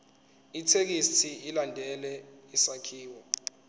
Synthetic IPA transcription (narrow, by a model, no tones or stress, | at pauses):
itʰek̬istʰiilandʱɛlɛisakʰiːwɔ